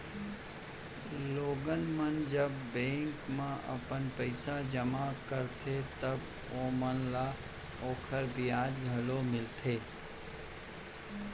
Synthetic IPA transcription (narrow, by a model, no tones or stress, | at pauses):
loːɡənmənd͡ʒəbːẽːŋkmãʔɐ̰pənpəɪsad͡ʒəmakəɾt̪ʰet̪ɐb | oːmənla | oːkʰəɾbʱijaːd͡ʒ̪ɡʱɐlomɪlt̪ʰeː